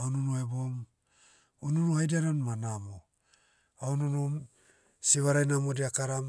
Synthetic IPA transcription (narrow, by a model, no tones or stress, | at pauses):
aununoebom | onunuhajdaɾanmanamo | aununum | siβaɾajnamodiakaɾam